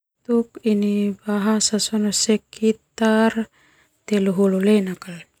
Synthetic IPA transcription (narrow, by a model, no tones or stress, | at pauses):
t̪uk̚inibaɦasasɔnɔsɛkʰit̪ar | t̪eluɦululenakal